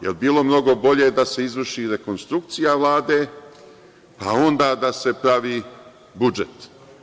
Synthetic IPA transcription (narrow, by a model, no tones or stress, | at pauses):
jelbiːlo̞mno̞ɡo̞bo̞ʎe̞d̪ase̞izʋərʃiɾe̞ko̞nst̪ɾukt̪sijaʋlˠaːd̪e̞ː | pa̰o̞nd̪aːd̪ase̞pɾaʋiː | bud͡ʒet̪